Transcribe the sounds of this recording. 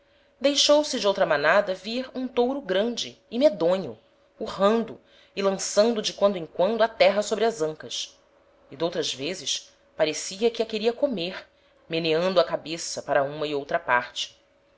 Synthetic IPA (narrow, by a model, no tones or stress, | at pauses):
d̪ejʃowsɪd͡ʒɪowt̪ɾɐmɐnad̪ɐviɾũt̪owɾʊɡɾɐ̃d͡ʒɪɪmed̪õɲʊ | uhɐ̃nd̪ʊ | ɪlɐ̃sɐ̃nd̪ʊd͡ʒɪkwɐ̃nd̪ʊẽŋ̃kwɐ̃nd̪ʊɐt̪ɛɦɐsobɾɪɐzɐ̃ŋkɐʃ | ɪd̪owt̪ɾɐzvezɪʃ | paɾesiɐkɪɐkeɾiɐkomeɾ | meneɐ̃nd̪ʊɐkabesɐpaɾɐũmɐɪowt̪ɾɐpa̰ɾt͡ʃɪ̥